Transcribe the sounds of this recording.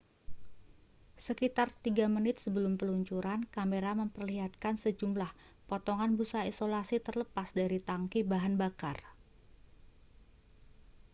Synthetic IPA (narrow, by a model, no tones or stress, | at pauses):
səkit̪art̪iɡamənɪt̪̚səbəlʊmpəluɲt͡ʃuɾankameɾaməmpərliɦat̪̚kansəd͡ʒumlah | pɔt̪ɔŋanbusaisolasit̪ərləpasdaɾit̪aŋkibaɦanbakar